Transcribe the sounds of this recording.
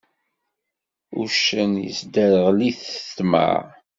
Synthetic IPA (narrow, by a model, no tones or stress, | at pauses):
uʃənjə̰sd̪əɾəʁliθt̪mə̰ʕ